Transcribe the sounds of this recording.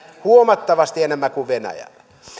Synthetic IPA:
huomɑt̪ːɑʋɑst̪ienemːækuʋʋenæ̰jæ̰lːæ

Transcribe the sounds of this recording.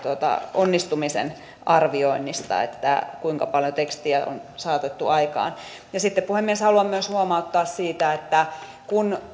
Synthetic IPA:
t̪uot̪ɑ̰onːist̪umisḛn | ɑrʋioinːist̪ɑ̰ḛt̪ːæ̰kuiŋkɑpɑljot̪ekst̪iæʔo̰nsɑːt̪et̪ːuɑikɑ̰ːn | jɑsit̪ːeppuhemːieshɑluɑmːyøshuomɑut̪ːɑːssiːt̪æet̪ːæ | kun

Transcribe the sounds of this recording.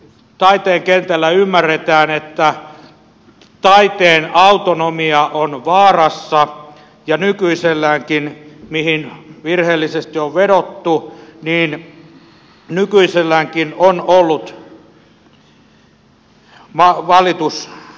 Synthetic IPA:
t̪ɑit̪eːŋkent̪ælːæymːæret̪æːnet̪ːæ | t̪ɑit̪eːnɑut̪onomiɑʔonʋɑːrɑsːɑ | jɑnykyiselːæːŋkinmihinʋirheːlːisest̪ioʋʋeɾot̪ːuniːn | nykyiselːæŋkinonolːut̪ | ʋɑʋɑlit̪us

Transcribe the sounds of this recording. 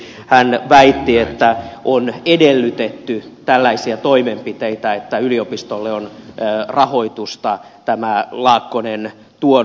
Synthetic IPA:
hænʋæit̪ːiet̪ːæʔonedelːyt̪et̪ːyt̪ælːæisiæt̪oimempit̪eit̪æet̪ːæyliopist̪olːeonːrɑho̞it̪ust̪ɑt̪æmælɑːkːonen | t̪uo

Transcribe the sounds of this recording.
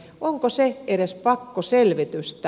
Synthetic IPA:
ʔoŋkoseeɾespɑkːoselʋit̪yst̪æ

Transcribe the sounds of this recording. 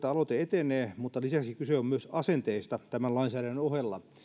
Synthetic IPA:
t̪æɑlot̪eet̪enˑeːmut̪ːɑlisæksikyseommyøsɑsent̪eist̪ɑt̪æmælɑinsæːɾænːnohelːɑ̰

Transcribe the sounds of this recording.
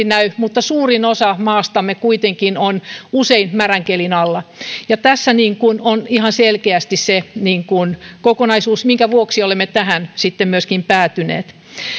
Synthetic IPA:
inæymut̪ːɑsuːrinosɑmɑːst̪ɑmːekuit̪eŋkinonuseinmæræŋkelinɑlːɑjɑt̪æsːæniːŋkunonihɑnselkeæst̪isseniːŋkunkokonɑisuːsmiŋkæʋuoksiolemːet̪æhænsit̪ːemmyøskimpæːt̪ynḛːt̪

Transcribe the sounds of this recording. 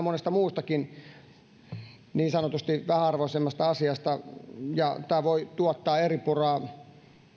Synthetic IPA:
monest̪ɑmuːst̪ɑkin | niːnsɑnot̪ust̪iʋæhæɑrʋoisemːɑst̪ɑɑsiɑst̪ɑjɑt̪æːʋoit̪uɔt̪ːɑːeripurɑː

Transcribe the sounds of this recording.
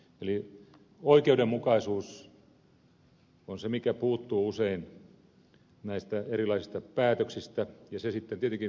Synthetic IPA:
eli | oikeudemmukɑisuːs | onsemikæpuːt̪ːuːusein | næist̪æerilɑisist̪ɑpæːt̪øksist̪æjɑsesit̪ːent̪iet̪eŋki

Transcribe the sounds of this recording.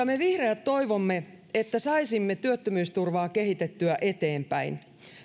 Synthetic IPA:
ɑme̞ʋihreæt̪to̞jʋomːe̞ | et̪ːæsɑisimːe̞t̪yøt̪ːømyːst̪urʋɑːke̞ɦit̪et̪ːyæʔe̞t̪e̞ːmpæ̰in

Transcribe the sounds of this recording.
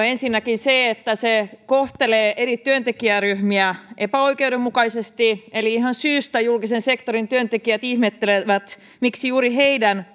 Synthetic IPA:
ensinːækinseet̪ːæsekoht̪eleːʔerit̪yønt̪ekiæryhmiæʔepæoikeudemːukɑisest̪ieliihɑnsyːst̪æjulkisensekt̪oɾint̪yønt̪ekiæt̪ihmet̪ːeleʋæt̪ | miksijuːɾiɦeidæn

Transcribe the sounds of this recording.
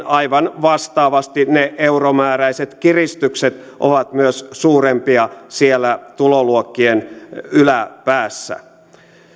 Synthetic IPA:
ɑiʋɑnʋɑst̪ɑːʋɑst̪ineʔeuromæːræiset̪kirist̪ykset̪ | ʔo̰ʋɑt̪myøssuːrempiɑsielːæt̪uloluokːienylæpæːsːæ̰

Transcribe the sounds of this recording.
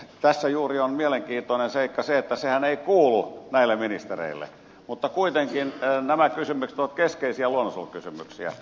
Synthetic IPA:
t̪æsːæjuːrionmieleŋkiːt̪ˑoinenseikːɑseet̪ːæsehæneikuːlunæilːeminist̪erḛilːḛ | mut̪ːɑkuit̪eŋkinnæmækysymykst̪uot̪keskeisiæluonːosṵlkysymyksiæ̰

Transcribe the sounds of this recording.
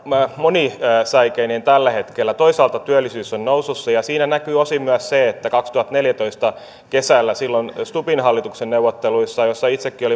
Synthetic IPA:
monisæikeinent̪ælːæhet̪kelːæt̪oisɑːlt̪ɑt̪yælːˑisyːsːonnoususːɑjɑsiːnænækyːosimyæsseet̪ːækɑkst̪uhɑt̪neljæt̪oist̪ɑ | kesælːæsilːonst̪upinɦɑlːit̪uksenneuʋot̪ːeluisːɑjosːɑit̪sekːioli

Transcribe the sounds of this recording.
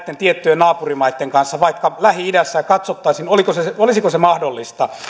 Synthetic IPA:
t̪ːent̪iet̪ːyenɑːpurimɑit̪ːeŋkɑnsːɑʋɑikːɑlæhiidæsːæjɑkɑt̪sot̪ːɑisinolikoseseolisikosemɑhdolːist̪ɑ

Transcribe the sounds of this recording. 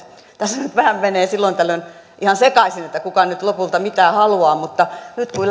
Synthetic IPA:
t̪æsnyt̪ʋæhæmmeneːsilːoint̪ælːønʔihɑnsekɑisinet̪ːækukɑnyt̪lopult̪ɑmit̪æːhɑluɑːmut̪ːɑnyt̪kul

